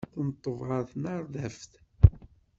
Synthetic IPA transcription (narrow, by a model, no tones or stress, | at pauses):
θənt̪ˤːəvʁɑθnɑɾˤðæfθ